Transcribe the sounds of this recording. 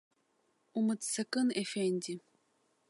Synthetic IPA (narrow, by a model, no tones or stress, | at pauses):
umɨt̪sɐkɨnefenʲd̪ʲi